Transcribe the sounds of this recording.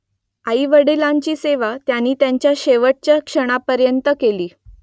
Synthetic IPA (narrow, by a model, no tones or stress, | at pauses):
aiʋəɽilaɲt͡ɕiːseʋat̪janːiːt̪jaɲt͡ɕjaɕeʋəʈ̚t͡ɕjakʂəɽ̃apəɾjənt̪əkeliː